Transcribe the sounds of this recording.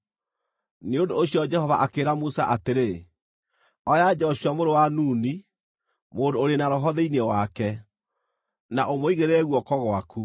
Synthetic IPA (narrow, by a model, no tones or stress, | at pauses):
neondoːɕjɔd͡ʒɛhɔva̰ʔakeːɾamusa̰ʔateɾe | ɔjad͡ʒɔɕwamoɾowanuːni | moːndoːɾenaɾɔɦɔðeinewakɛ | naʔomoiɣeɾɛɣwɔkɔɣwaku